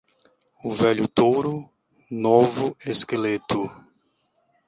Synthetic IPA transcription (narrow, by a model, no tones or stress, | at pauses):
ʊvɛʎʊt̪owɾʊ | novʊeskelet̪ʊ